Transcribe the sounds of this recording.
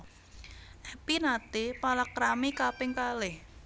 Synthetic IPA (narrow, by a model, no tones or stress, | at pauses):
ʔɛpinat̪ipalakɾamikapɪŋkalɪh